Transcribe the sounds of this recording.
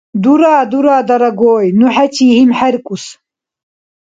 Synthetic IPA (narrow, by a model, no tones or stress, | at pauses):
d̪uɾaːd̪uɾaːd̪ɐɾɐɡoːjnuħat͡ʃʰiːhimħaɾkʼus